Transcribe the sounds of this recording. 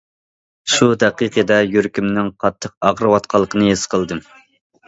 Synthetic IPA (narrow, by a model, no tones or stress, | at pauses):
ʃud̪ɛqiqʰəd̪ɛjyɾkʲymnɪŋqʰɑt̪ʰːəq̚ɑʁɾɨwɑt̪qʰɑlˠːəqʰənɨesqʰəlˠd̪ɨm